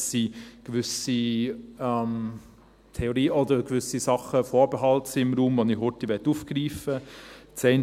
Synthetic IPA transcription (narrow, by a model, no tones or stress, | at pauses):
siɡ̥ʋʏsi | ɛm | t̪ʰɛoɾiːɔd̪əɾɡ̥vʏsisɑχəfɔːɾbəɦɑltsiɪmɾuːmvɔnihʊt̪iʋɛtːuːfɡ̥ɾiːfət͡sɛɪn